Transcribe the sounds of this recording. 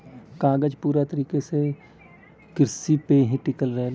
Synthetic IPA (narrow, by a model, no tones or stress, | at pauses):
kaːɡəd͡ʒpuːɾat̪əɾiːkese | kɪɾsipeɦĩʈɪkəlɾəɦel